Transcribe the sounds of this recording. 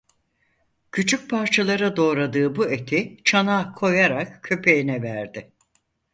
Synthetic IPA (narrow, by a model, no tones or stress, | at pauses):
cʰyt͡ʃʰyk̚pʰaɾt͡ʃʰalˠaɾad̪o̞ːɾad̪ɯːbuet̪ʰit͡ʃʰanaːkʰo̞jaɾakcʰø̞pʰe̞jinɛvæɾd̪ɪ